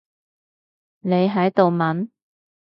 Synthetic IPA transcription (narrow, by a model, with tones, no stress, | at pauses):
ne˨˧jɦɐ˨˥jt̪o˨wmɐ˨˥n